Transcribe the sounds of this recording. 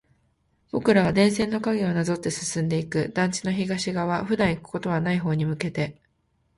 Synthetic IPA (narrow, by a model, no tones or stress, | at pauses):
b̥o̞kɯ̟ɾaβad̪ẽ̞ɰ̃s̬ẽ̞nːo̞kaɡʲeo̞nazo̞t̪ːe̞sɨ̥sɨ̃nd̪e̞ikɯ̟d̪ãɲ̟t͡ɕi̥no̞çiɡaɕiɡaβ̞aɸɯ̟d̪ãɰ̃ikɯ̟̥ko̞t̪o̞βanaiɦo̞ːɲ̟imɯ̟ke̞t̪e̞